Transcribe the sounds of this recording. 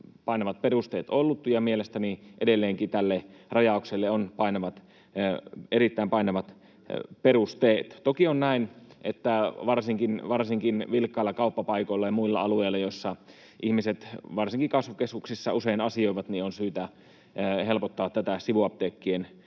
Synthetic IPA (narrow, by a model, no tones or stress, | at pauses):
pɑinɑʋɑt̪̚perust̪eːt̪olːut̪jɑmielest̪æniʔedelːeːŋkit̪ælːerɑjɑˑokselːeonpɑinɑʋɑt̪ | eɾit̪ːæimpɑinɑʋɑt̪ | perust̪eːt̪t̪okionnæinʔet̪ːæʋɑrsiŋkinʋɑrsiŋkinʋilkːɑilːɑkɑupːɑpɑikoilːɑjɑmuilːɑ̰ɑlueilːɑjosːɑ | ʔihmiset̪ʋɑrsiŋkikɑsʋukeskuksisːɑuseinɑsioˑiʋɑt̪nionsyːt̪æ | helpot̪ːɑːt̪ːæt̪æsiʋuɑp̚t̪eːkːien